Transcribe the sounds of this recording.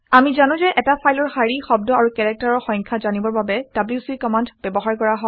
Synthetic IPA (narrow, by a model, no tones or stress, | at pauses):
amizanʊ̃zɛʔɛtapʰajlɔɹxaɹixɔb̚dɔaɹukɛɹɛk̚taɹɔɹxɔ̃jŋkʰazanibɔɹbabɛd̥abliusikɔmandb̥ɛbɔɦaɹkɔɹaɦɔ